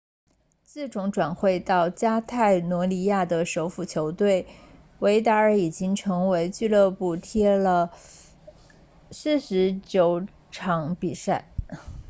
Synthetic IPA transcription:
t͡sɹ̩˥˩ʈ͡ʂʊ˧˥ŋʈ͡ʂwa˨˩nxwe˥˧ɪt̪ɑ˥˩ʊt͡ɕja˥t̪ʰa˥˩ɪnwɔ˧˥li˧˥ja˥˩d̪ə˩ʂo˧˥ʊfu˥˩t͡ɕʰjo˧˥ʊt̪we˥˩ɪ | we˧˥ɪt̪a˧˥ə˞˧˥i˨˩t͡ɕi˥ŋʈ͡ʂʰɤ˧˥ŋwe˧˥ɪt͡ɕy˥˧lɤ˥˧pu˥˩t̪ʰjɛ˥lə˨ | s̩˥˩ʂɻ̩˧˥t͡ɕjo˧˥ʊ | ʈ͡ʂʰɑ˧˥ŋpi˨˩sa˥˩ɪ

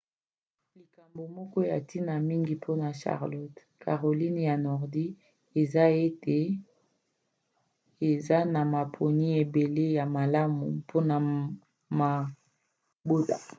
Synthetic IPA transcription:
li˨ka˨mbo˨mɔ˦kɔ˦ja̰˨ti˦na˨mi˦ŋɡi˨pʰo˦na˨ʃa̰˨ʁlɔ˦t | kʰa˨ʁo˨li˦n˨ja˨nɔ˨ʁdi˦ | e˨za˦e˦te˨ | e˨za˦na˨ma˨pʰo˨ni˦e˨be˨le˦ja˨ma˨la˦mṵ˨pʰo˦na˨ | ma˨ | bo˦ta̰˨

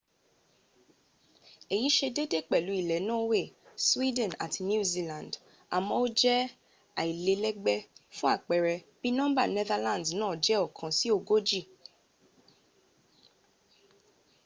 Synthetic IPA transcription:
e˨ji˨˦ʃe˧de˦de˦˨k͡pɛ˨lu˨˦i˨lɛ˨˦nã˦we˦˨swi˦dɛ̃˦˨na̰˨tʰi˧nju˦zi˦lã˨nd | a˨mɔ̃˧o˦d͡ʒɛ˦ | a̰˨i˨le˧lɛ˦ɡ͡bɛ˦fũ˦a˦˨k͡pɛ˨ɾɛ˧b̥i˦nɔ̃˦ba̰˦˨nɛ˦ða˦lã˦˨dnãː˨˦˨d͡ʒɛ˦ɔ˦˨kʰã˨si˦o˦˨ɡo˦d͡ʒi˦˨

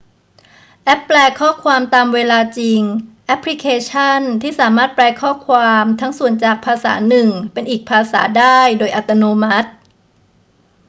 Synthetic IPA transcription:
ʔɛ˦˥pːlɛː˧kʰɔː˥˩kʰwaː˧mt̪aː˧mweː˧laː˧t͡ɕi˧ŋʔɛ˦˥pʰli˦˥kʰeː˧t͡ɕʰa˥˩nt̪ʰiː˥˩saː˩˦maː˥˩t̪̚plɛː˧kʰɔː˥˩kʰwaː˧mt̪ʰa˦˥ŋsu˨˩ənt͡ɕaː˨˩k̚pʰaː˧sa̰ː˩˦nɯ˨˩ŋpe˧nʔiː˨˩k̚pʰaː˧sa̰ː˩˦daː˥˩jdoː˧jʔa˨˩t̪ːa˧noː˧ma˦˥t̪̚

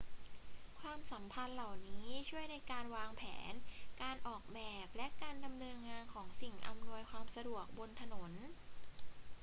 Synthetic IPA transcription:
kʰwaː˧msa˩˦mpʰa˧nla˨˩wniː˦˥t͡ɕʰu˥˩əjna˧jkaː˧nwaː˧ŋpʰɛ̰ː˩˦nkaː˧nʔɔː˨˩k̚bɛː˨˩p̚lɛ˦˥ʔkaː˧nda˧mnɤː˧nŋaː˧nkʰɔː˩˦ŋsi˨˩ŋʔa̰˧mnu˧əjkʰwaː˧msa˧du˨˩ək̚bo˧nt̪ʰa˧no˩˦n

